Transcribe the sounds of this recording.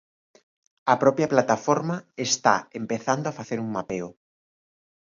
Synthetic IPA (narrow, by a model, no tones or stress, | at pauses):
ɐpɾɔpjɐplat̪afɔɾmɐest̪a̰empeθand̪oafaθeɾuŋmapeo